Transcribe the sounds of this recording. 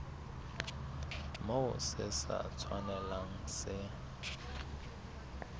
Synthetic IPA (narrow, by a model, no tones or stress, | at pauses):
maʊsɪsa̰t͡sʰwanɛlaŋ̩sɪ